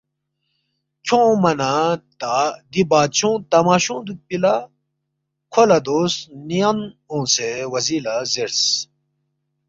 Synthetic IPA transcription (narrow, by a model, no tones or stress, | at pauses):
t͡ɕʰõːmɐnat̪ad̪ibaːt̪̚t͡ɕʰõt̪ɐmaːɕõːd̪upila | kʰolɐd̪oːsnijanõːsewɐziːlazeɾs